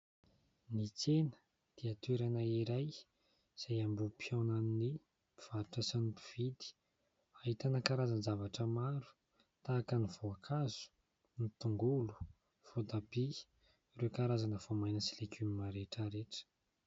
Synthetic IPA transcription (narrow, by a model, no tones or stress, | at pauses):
nit͡senə̥ | d̪̥iat̪weɾanaiɾaj | z̥ajambupʰiawnanni | piv̥aɾuʈ͡ʂasanipi̥v̥id̪i̥ | aɦit̪anakaɾazanzavaʈ͡ʂəmaɾu̥ | t̪aːkənivoakʰazu̥ | nit̪uŋɡulu̥ | v̥od̪abi | ɾewkaɾazanəv̥omajnəsilekʰymimaɾeʈ͡ʂəɾeʈ͡ʂə̥